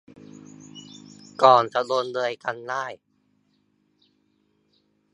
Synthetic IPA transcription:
kɔː˨˩nt͡ɕa˨˩doː˧nlɤː˧jka˧ndaː˥˩j

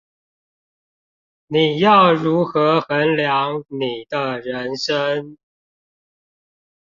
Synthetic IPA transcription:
ni˨˩jɑ˥˨˩ʊɻu˨˦˥xɤ˧˦xə˧˦nljɑ˧˦ŋni˨˩d̪ə˦ɻə˧˦nʂə˥˦n

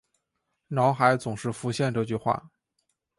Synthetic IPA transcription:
nɑ˧˥ʊxa˧˥ɪt͡sʊ˨˩ŋʂɻ̩˥˩fu˧˥ɕjɛ˥˧nʈ͡ʂɤ˥˧t͡ɕy˥˧xwa̰˥˩

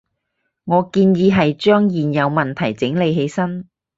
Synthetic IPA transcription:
ŋɔː˨˧kiː˧njiː˨˧ɦɐ˨jt͡ʃœː˥ŋjiː˨njɐ˨˧wmɐ˨nt̪ʰɐ˨˩jt͡sɪ˨˥ŋle˨˧jɦe˨˧jsɐ˥n

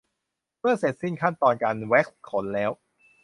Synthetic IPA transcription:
mɯ˥˩ɐse˨˩t̪̚si˥˩ŋkʰa˥˩nt̪ɔː˧nka˧nwɛ˦˥k̚s̚kʰo˩˦nlɛː˦˥w

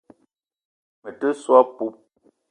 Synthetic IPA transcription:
mə˨tə˦swɔ˦pu˦p̚

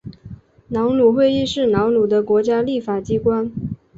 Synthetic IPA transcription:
nɑ˧˥ʊnu˨˩xwe˥˧ɪi˥˧ʂɻ̩˥˩nɑ˧˥ʊnu˨˩d̪ə˦kwɔ˧˥t͡ɕja˥li˥˩fa˨˩t͡ɕi˥kwa˥n

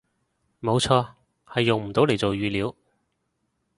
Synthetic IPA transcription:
mo˨˧wt͡ʃʰɔː˧ | hɐ˨jːʊ˨ŋm̩˨˩t̪o˨˥wle˨˩t͡so˨wjyː˨˧liː˨˥w

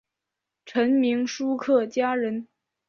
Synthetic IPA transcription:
ʈ͡ʂʰə˧˥nmi˧˥ŋʂu˥kʰɤ˥˩t͡ɕja˥ɻə˧˥n

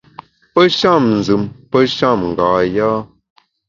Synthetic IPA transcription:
pə˦ʃa˦˨mn˨zɨ˨mpə˦ʃa˦˨mŋ˨ɡaː˨jaː˦

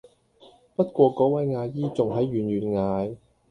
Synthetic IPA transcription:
pɐ˥t̚kʷwɔː˧kɔː˨˥wɐ˨˥jŋaː˧jiː˥t͡sʊ˨ŋɦɐ˨˥jɥyː˨˩nɥyː˨nŋaː˨˧j

